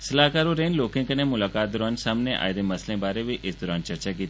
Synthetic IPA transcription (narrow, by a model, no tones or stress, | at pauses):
səlaːkaːɾoːɾeːnloːkẽːkənẽːmʊlaːkaːt̪̚d̪ɔɾaːnsaːmneʔa̰ːjd̪eːməslẽːbaːɾeːʋiːʔɪsd̪ɔːɾaːnt͡ʃəɾt͡ʃaːkiːt̪ː